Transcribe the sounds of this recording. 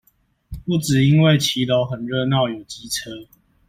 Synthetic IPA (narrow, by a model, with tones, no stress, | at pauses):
pu˥˨t͡sɻ̩˨˩i˦nwe˥˨ɪt͡ɕʰi˨˦lo˨˦ʊxə˨˩nɻə˥˧nɑ˥˨˩ʊjo˨˩ʊt͡ɕi˦t͡sʰɤ˦